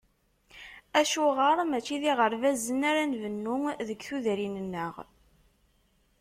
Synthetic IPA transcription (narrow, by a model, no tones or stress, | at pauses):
æʃuʁəɾˤmæt͡ʃːiðiʁəɾvæzənaɾænvənːuŋðəɡθuðɾinənːəʁ